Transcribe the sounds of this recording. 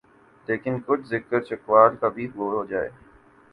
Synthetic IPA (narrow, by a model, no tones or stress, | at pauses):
leːkɪnkʊd͡ʑʱzɪkəɾt͡ɕɐkʋaːlk̪abʱiɦoːɦoːd͡ʑaːḛː